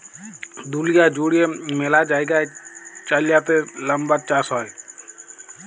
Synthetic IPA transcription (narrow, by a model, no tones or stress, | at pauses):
d̪ulijad͡ʒuɽijemelad͡ʒaːeɡaet͡ʃaljap̪eləmbat͡ʃaːsɔːe